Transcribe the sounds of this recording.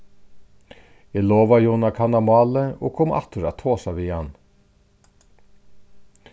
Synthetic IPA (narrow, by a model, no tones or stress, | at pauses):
eːloːʋɑjuːnɑkʰɑnɑmɑːləo̰ːkʰʊmɑ̰t̪ʊɾɑ̰t̪ʰoːsɑʋiːɑn